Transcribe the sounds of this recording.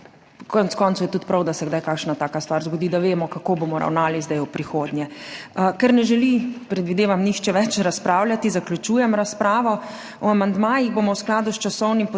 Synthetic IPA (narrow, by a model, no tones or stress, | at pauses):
kɔnɛt̪skɔːnt̪sujɛt̪ut̪pɾawd̪asɛɡd̪ajkaːkʃnat̪aːkast̪ʋaːɾzɡɔd̪iːd̪aʋeːmɔkakoːbomɔɾa̰wnaːlizd̪ajupɾixoːd̪njɛkɛɾnɛʒɛlipɾɛd̪ʋid̪eːʋamnixt͡ʃɛʋɛt͡ʃɾaspɾaːwlʲjat̪izaklʲut͡ʃuːjɛmɾaspɾaːʋɔ | ɔamand̪maːjiɣbomɔwsklaːd̪ust͡ʃasɔwnimp